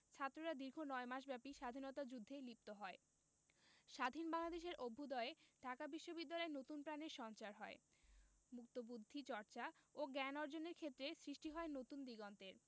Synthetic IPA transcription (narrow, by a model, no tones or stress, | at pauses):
t͡ɕʰat̪ːɾoɾad̪iɾɡʱonɔemaʃ̬bɛpiʃad̪ʱinot̪ad͡ʑud̪ʱːelip̚t̪oɦɔe | ʃad̪ʱinbaŋlad̪eʃ̬eɾʔobʱːud̪ɔeeɖʱakabiʃːobid̪ːalɔenot̪unpɾaneɾʃɔnt͡ɕaɾɦɔe | muk̚t̪obud̪ʱːit͡ɕɔɾt͡ɕaoɡɛnɔɾd͡ʑoneɾkʰet̪ːɾesɾiʃʈiɦɔenot̪und̪iɡɔnt̪eɾ